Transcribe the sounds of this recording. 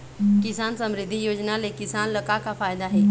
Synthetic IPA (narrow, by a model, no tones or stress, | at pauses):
kɪsaːnsəmɾɪd̪ʱːijoːd͡ʒnalekɪsaːnləkakafʰaːjd̪aɦɛ